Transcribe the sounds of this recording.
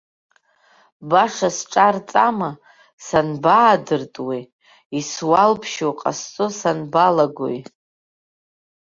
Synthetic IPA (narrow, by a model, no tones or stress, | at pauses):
baʂasʈ͡ʂʼart͡sʼama | sanbaːdɨrtʼwi | iswalpʰʃowqʼa̰st͡sʼʊsanbalaɡʷo̰j